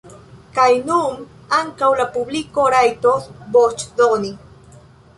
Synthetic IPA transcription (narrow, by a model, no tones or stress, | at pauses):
kajnum | aŋkawlapublikoɾajt̪osbot͡ʃd̪oni